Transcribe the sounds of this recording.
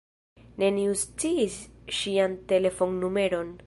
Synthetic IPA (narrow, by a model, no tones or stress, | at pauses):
ne̞niust͡siːsʃiante̞le̞fo̞ŋnume̞ɾo̞n